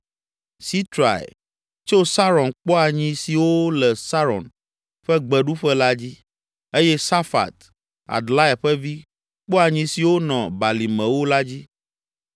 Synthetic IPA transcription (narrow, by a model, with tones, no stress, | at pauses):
si˦t̪ɾa̰˨ḛ˨ | t͡ʃo˦sa˦ɾɔ̃˨nk͡pɔ˦a˨ɲĩ˦si˨wo˦lɛ˨sa˦ɾɔ̰˨n | ɸɛ˦ɡ͡bɛ˨ɖu˦ɸɛ˦la˦d͡ʑi˦ | e˦jɛ˦sa˦fa̰˨t̪ | a̰˨ɖla˦ɛ˨ɸɛ˦vi˦ | k͡pɔ˦a˨ɲĩ˦si˨wo˦nɔ̃˨ba˨li˨mɛ̃˨wo˦la˦d͡ʑi˦